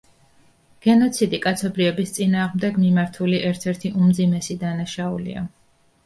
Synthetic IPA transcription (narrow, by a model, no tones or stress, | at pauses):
ɡ̥ɛnɔt̪sʰid̪ikʼat̪sʰɔbɾivɛbist̪sʼinaːʁmd̪ɛɡmimaɾt̪ʰuliʔɛɾt̪ʰɛɾt̪ʰiʔumd̪zimɛsid̪anaʃaulḭa̰